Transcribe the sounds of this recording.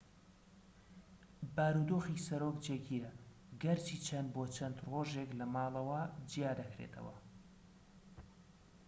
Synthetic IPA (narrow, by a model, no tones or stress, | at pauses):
baːɾud̪oːxisɐɾoːkd͡ʒeːɡiɾɐ | ɡɐɾt͡ʃʰiːt͡ʃʰɐnboːt͡ʃʰɐnd̪roːʒeklɐmɑːlˠɐwɐd͡ʒijaːd̪ɐkɾḛt̪ʰɐ̰wɐ̰